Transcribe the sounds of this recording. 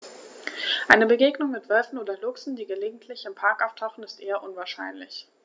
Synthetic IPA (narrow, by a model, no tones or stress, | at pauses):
ʔaɪnəbəɡeːɡnʊŋmɪtv̥œlfn̩oːdɐlʊksn̩diːɡəleːɡŋ̩tʰlɪçɪmpʰaɐkʔaʊftʰaʊxn̩ɪstʔeːɐʔʊnvaːɐʃa̰ɪnlɪ̰ç